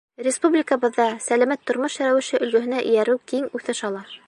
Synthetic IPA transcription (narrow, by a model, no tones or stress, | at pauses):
rʲɪspublʲɪkəβɤ̆ðːɑsælæmæt̪ʰːŏɾmoʃjæɾæwɘ̆ʃɘʔɵ̆lɡɵ̆ɦɘ̆næʔɘ̰̆jæɾɘwkiŋʉθɘʃɑlˠɑ